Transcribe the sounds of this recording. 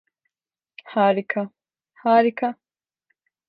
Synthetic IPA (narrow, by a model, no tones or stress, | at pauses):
haːɾikʰɐ | haːɾikɐ